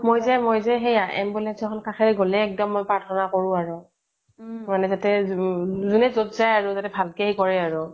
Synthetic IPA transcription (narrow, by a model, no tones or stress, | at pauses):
mojzɛmojzɛɦejaʔɛ̰mbulɛsɔxʰɔnkaxʰɛɹɡolɛːk̚dɔmːojpaɹtʰɔnakoɹʊ̃aɹʊ | manɛzatɛ | zunɛzotzajaɹʊzatɛbʱalkeikɔɹɛaɹʊ